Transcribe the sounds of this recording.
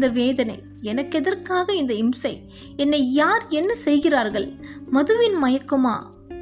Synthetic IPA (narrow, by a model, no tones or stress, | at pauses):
d̪ɐʋeːðɐnɐɪ | ɛnɐkːɛðɐrkaːɣɐɪnd̪ɐɪmsɐɪ | ɛnːɐjaːɾɛnːɐsɛjɣɪraːɾɣɐɭmɐðɯʋɪnmɐjɐkːɯma̰ː